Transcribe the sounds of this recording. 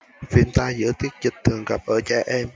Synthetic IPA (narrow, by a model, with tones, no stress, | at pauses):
fi˧nt̪aː˧zɨ̰˧˥ət̪i˦˥ət̚zï˨˩t̚t̪ʰɨ˨˩əŋɣa̰˨˩p̚ʔəː˧˩t͡ɕaː˧ʔɛ˧m